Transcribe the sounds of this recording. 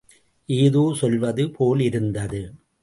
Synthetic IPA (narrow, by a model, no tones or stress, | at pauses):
ʔeːðoːsɔlʋɐðɯpʰoːlɪɾɯnd̪ɐðɯ